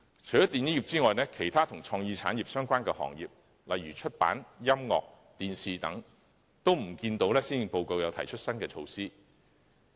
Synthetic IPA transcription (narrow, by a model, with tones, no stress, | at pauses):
t͡ʃʰɵ˨˩jɐ˥t̪i˨njiː˥ji˨p̚t͡siː˥ŋɔː˨jlɛː˥kʰe˨˩jt̪ʰaː˥t̪ʰʊ˨˩ŋt͡ʃʰɔː˧ŋjiː˧t͡sʰaː˨˥njiː˨p̚sœː˥ŋkʷaː˥nkɛː˧hɔ̰ː˨˩ŋjḭː˨p̚ | lɐ˨jɥyː˨˩t͡ʃʰɵ˥t̚pa̰ː˨˥njɐ˥mŋɔ̰ː˨k̚ | t̪iː˨nsiː˨t̪ɐ˨˥ŋ | t̪o˥wm̩˨˩kiː˧nt̪o˨˧˥wlɛː˥siː˥n˨po˨˧wko˨˧wjɐ˨˧wt̪ʰɐ˨˩jt͡ʃʰɵ˥t̚sɐ˥nkɛː˧t͡ʃʰo˧wsiː˥